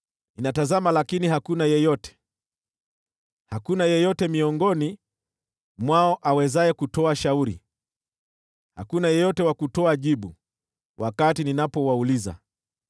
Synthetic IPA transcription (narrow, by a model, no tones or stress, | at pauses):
ninatazamalakiniɦakunajɛjɔtɛ̥ | hakunajɛjɔtɛmiɔŋɡɔni | mwaɔʔawɛzaɛkutɔaʃauɾḭ | ha̰kunajɛjɔtɛwakutɔaʄiɓu | wʔakatininapɔwauliza̰